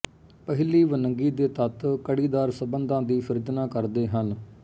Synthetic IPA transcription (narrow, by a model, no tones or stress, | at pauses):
pəɦɪliːʋənəŋɡiːd̪eːt̪ət̪kəɽiːd̪aːɾsəbənd̪ãːd̪iːpʰɪɾɪd͡ʒ̪naːkəɾd̪eːɦən